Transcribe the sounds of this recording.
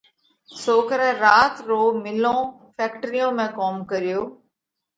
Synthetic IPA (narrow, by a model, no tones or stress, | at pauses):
soːkəɾɛ̃ɾaːt̪ɾoːmɪlõː | fʰɛːkʈɾijõːmẽkɔːmkəɾijoː